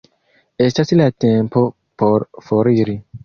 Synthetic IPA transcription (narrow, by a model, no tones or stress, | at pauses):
estasilatempo | poɾfoɾiɾi